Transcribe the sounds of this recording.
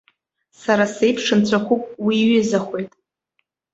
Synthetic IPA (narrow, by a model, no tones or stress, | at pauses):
saɾase̞jpʰʂɨnt͡ɕʷʰaχʷʊpʼwiɥizaχʷe̞jtʼ